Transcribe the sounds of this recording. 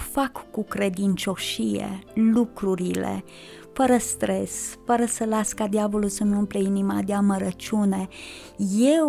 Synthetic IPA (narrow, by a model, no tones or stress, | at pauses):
fakːukɾe̞d̪int͡ʃo̞ʃijḛlukɾuɾilḛ | fəɾəst̪ɾe̞sfəɾəsəlaskad̪iavo̞lulsəmumpleinima̰d̪eaməɾət͡ʃʲune̞ | je̞w